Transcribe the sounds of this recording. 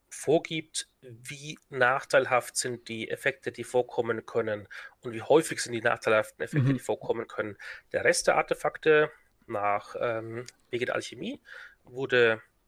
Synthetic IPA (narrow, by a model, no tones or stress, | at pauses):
foːɐɡiːp̚t | viːnaːχtʰaɪlɦaftz̥ɪnt̚d̥iːʔḛfɛk̚tədiːfoːɐkʰɔmənkʰœnənʔʊntv̥iːhɔʏfɪçz̥ɪntd̥iːna̰ːχtʰaɪlhaftn̩efɛktəd̥iːfoːɐkʰɔmənkʰœnənd̥eːɐʁɛstd̥eːɐʔa̰ɐtefaktə | naːχʔɛːmveːɡŋ̩deɐ̰ʔa̰lçemiː | vʊɐdə